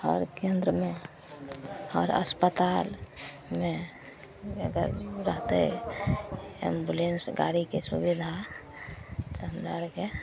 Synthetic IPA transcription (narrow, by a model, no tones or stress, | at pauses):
ɔːɾkẽnd̪ɾəmẽ | ɔɾə̰spət̪al | me | əɡə̰ɾɾəɦt̪ḛ | ḛmbulensɡa̰ɾikesṵbid̪ʱa | t̪oɦəmd̪aɾke